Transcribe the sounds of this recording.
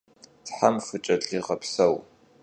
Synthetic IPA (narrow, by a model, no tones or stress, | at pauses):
tħamfɨt͡ʃʼɐɮiːʁɐpsɐw